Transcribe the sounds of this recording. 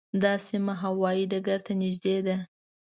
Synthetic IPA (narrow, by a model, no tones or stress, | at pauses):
d̪ɑsimaɦawɑjiɖaɡaɾt̪anɪʒd̪ed̪a